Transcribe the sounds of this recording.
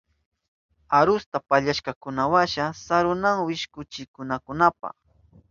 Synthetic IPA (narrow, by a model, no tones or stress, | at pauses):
aɾʊst̪apaʎaʃkakʊnawaʃasaɾʊnaŋwɪʃkʊt͡ʃɪkʊnakʊnapa̰χ